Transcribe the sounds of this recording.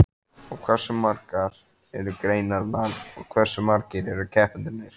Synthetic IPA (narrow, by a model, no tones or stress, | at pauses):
ɔɣkʰvɛɾ̥sʏmaɾkaɾ | ɛɾʏkɾeːjnaɾnaðɔɣkʰvɛr̥sʏmaɾcɪɾɛɾʏcʰɛhpʏnt̪ɪɾnɪɾ̥